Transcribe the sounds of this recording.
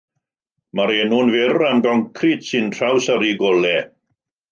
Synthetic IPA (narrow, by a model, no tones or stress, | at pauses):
maɾeːnuːnvɪramɡɔŋkʰritsɨntʰrawsaɾiɡɔlɛ